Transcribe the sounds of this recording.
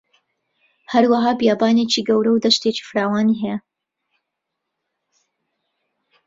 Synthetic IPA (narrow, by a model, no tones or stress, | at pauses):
hɐɾwɐɦaːbjaːbaːneːt͡ʃiːɡɐwɾɐwd̪ɐʃt̪eːt͡ʃi̥fɨɾaːwaːniɦɛja